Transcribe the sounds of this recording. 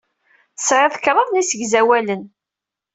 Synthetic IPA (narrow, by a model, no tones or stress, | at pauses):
sʕeðˤkɾˤəðˤnisəɡzæwælən